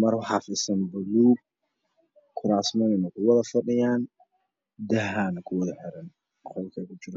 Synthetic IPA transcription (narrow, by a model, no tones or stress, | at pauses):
mɐrwħɑfɪsɐnbɐluːb̚ | kʰʊɾaːsmɔnɪnɐkʰʊwɐðɐfɐɗɪjaːn | d̪ɐɦaːnkʰʊwɐðɐħɪɾɐn | χɔlkʰɐkʰʊt͡ʃɪɾɐ